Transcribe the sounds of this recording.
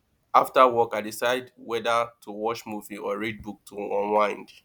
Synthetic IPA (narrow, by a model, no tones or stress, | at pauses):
aftawɔkaɪdisaɪdwɛdətʰuwɔt͡ʃmuviʔɔɹid̚buk̚tʰuɔ̃nlwãɪ̃nd